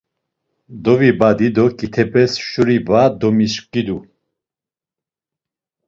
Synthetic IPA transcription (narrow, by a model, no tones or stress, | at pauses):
d̪ɔvibad̪id̪ɔkʼit̪ʰɛbɛsʃuɾibad̪ɔmiʃkkʼid̪u